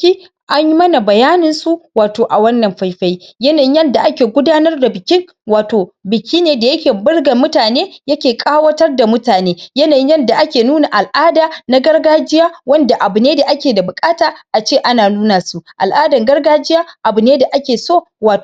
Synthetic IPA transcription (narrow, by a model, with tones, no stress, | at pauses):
i˦ | ʔa˦ɲji˦mɐ˦na˨bɐ˨jaː˦nɪ˨nsu˦ʔwaː˨toː˨ʔa˨wɐ˦nːɐ˨mɸa˦jɸa˦jjɐ˦naː˨jɪ˦jɐ˦nda˨ʔa˦kʲeː˨ɡʷʊ˦daː˦nɐ˦rda˨bɪ˨kʲɪ˦ŋ | waː˨toː˨bɪ˨kʲʰiː˦neː˨da˨jɐ˦kʲeː˨bɪ˦rɡɐ˨mːʊ˦taː˨neː˦jɐ˦kʲeː˨kʼaː˦wɐ˦tɐ˦rda˨mʊ˦taː˨neː˦jɐ˦naː˨jɪ˦ɲjɛ˦nda˨ʔa˦kʲeː˨nuː˦na˨ʔa˨lʔaː˦daː˨na˦ɡɐ˦rɡaː˦d͡ʒɪ˦jaː˦wɐ˦nda˨ʔa˨bʊ˨neː˦da˨ʔa˦kʲeː˨da˨bʊ˨kʼaː˦taː˨ʔa˨t͡ʃeː˦˨ʔa˦naː˨nuː˦naː˨su˦ʔʔa̰˨lʔaː˦dɐ˨ŋɡɐ˦rɡaː˦d͡ʒɪ˦jaː˦ʔa˨bʊ˨neː˦da˨ʔa˦kʲeː˨soː˦ | waː˨tː